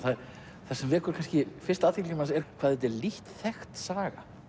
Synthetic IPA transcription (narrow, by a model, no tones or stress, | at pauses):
θaðɾ | θasɛmvɪːɾkʰɔɾkʰanscɪfɪrst̪aːt̪ʰilcamansɛɾkʰvaːðɛt̪̬ɛɾliht̪θɛxt̪saːɣa̰